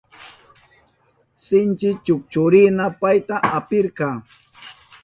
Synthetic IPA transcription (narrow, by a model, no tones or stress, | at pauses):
sɪnt͡ʃɪt͡ʃʊk̚t͡ʃʊɾɪnapajt̪aʔapɪɾkɑː